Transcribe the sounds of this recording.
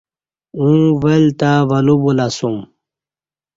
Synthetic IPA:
ũwelt̪aʋɐlubulasum

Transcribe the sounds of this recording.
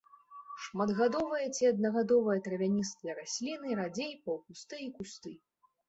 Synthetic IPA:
ʂmad̪ɣad̪ɔvɨjɐt͡sʲiɐd̪̚nɐɣad̪ɔvɨjɐt̪ɾɐvʲanʲist̪ɨjɐɾasʲlʲinɨɾad͡zʲejpɐwkust̪ɨikust̪ɨ

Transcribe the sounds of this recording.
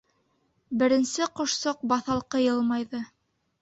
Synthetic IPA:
bɘ̆ɾɘ̆nsɘqŏʃsoq̚bɑθɑlˠqɤjɤlˠmɑjðɤ

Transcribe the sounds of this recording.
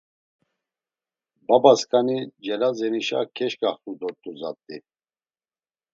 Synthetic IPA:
babaskʼanid͡ʒɛlazɛniʃa̰kʰɛʃkʼaχt̪ʼud̪ɔɾt̪ʼuzat̪ʼːi

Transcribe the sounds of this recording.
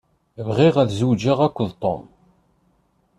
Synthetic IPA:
vʁiʁæθzud͡ʒaʁækʷːəðt̪ˤo̰m

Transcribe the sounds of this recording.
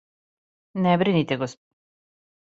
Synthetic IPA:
nɛbɾinit̪ɛɡos

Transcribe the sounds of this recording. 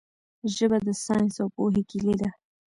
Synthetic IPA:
ʒəbad̪əsɑjnsawpoɦekiled̪a

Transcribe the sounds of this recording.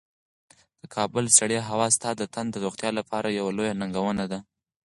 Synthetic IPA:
d̪̥əkʰɑbəlsaɽjeɦawɑst̪ɑd̪ət̪ʰand̪əɾoxt̪jɑlapʰɑɾʔajawalojanaŋɡawənad̪a

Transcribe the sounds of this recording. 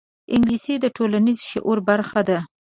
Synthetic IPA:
ɪŋɡlised̪əʈʰolanizʃḛʔoɾbaɾxad̪a

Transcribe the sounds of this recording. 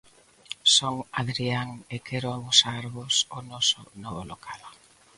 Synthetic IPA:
soŋaðɾiaŋekɛɾʊaβʊsaɾɣosonɔsʊ̰nɔβolokʰal

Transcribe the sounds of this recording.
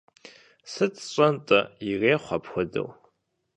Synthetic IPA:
sɨt͡sʰɕʷʼɐntʼɐireːχʷɐpxʷʊdɐ̰w

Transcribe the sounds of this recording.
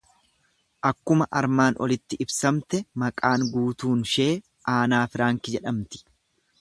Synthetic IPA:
ʔɐkːʊmɐʔɐɾmaːnʔɔ̰lɪt̪ːɪʔɪbsɐmt̪ɛmɐkʼaːŋɡuːt̪uːnʃe̞ː | ʔaːnaːfɪɾaːŋkɪd͡ʒɛᶑɐmt̪ɪ̥

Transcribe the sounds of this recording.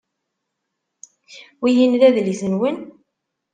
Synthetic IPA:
wijinlæðliθənwən

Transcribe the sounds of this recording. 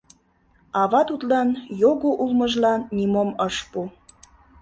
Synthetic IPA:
ɑβɑt̪ut̪lɑnjoɣoʔulməʒlɑnːimoməʃpu

